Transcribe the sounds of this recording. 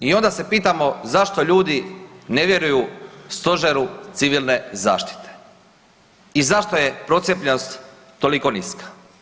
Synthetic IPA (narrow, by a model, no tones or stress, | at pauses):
io̞nd̪ase̞piːt̪amo̞zaʃt̪o̞ʎuːd̪ine̞ʋje̞ɾujust̪o̞ʒeɾut̪siʋilˠne̞za̰ːʃt̪i̥t̪e̥ | izaʃt̪o̞je̞pɾo̞t̪sjepʎenost̪ː | o̞liko̞niskḁ